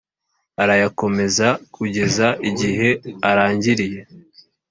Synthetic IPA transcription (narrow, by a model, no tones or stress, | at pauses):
aɾajako̞me̞zakʰuɟe̞zaʔiɟiɦe̞aɾaːɲɟiɾije̞